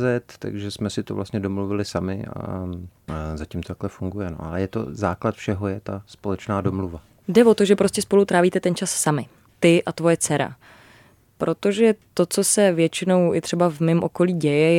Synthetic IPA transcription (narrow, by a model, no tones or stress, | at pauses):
zɛt̪ːa̰ɡʒɛsmɛsɪt̪ovla̰st̪ɲɛdomluvɪlɪsamɪ̰a̰ | zacɪmt̪ot̪aklɛfuŋɡujɛno̰ʔa̰lɛjɛt̪o̰zaːklat̪fʃɛɦojɛt̪aspolɛt͡ʃnaːdomluva | dɛvo̞t̪o̞ʒɛpɾoscɛspo̞lut̪ɾaːviːt̪ɛt̪ɛnt͡ʃasːamɪ | t̪ɪʔat̪vo̞jɛt͡sɛɾa̰ | pɾʔo̞t̪o̞ʒɛt̪o̞t͡so̞sɛvjɛt͡ʃɪno̞wɪt̪r̝̥ɛbavmɪmʔo̞ko̞liːɟɛjɛj